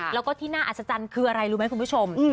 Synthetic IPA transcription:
lɛ˦˥wkɔː˥˩t̪ʰiː˥˩naː˥˩ʔa˨˩sa˧˦˩t͡ɕa˧nkʰɯː˧ʔa˧ɾa˧jɾuː˦˥m˦˥jkʰu˧pʰu˥˩o˧m˧˩

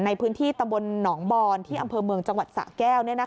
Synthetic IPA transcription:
na˧jpʰɯː˦˥nt̪ʰiː˥˩t̪a˧mbo˧nːɔː˩˦ŋbɔː˧nt̪ʰiː˥˩ʔa˧mpʰɤː˧mɯ˧əŋt͡ɕa˧ŋwa˨˩t̪̚sa̰ː˩˦kɛː˥˩wni˥˩ɐna˦˥

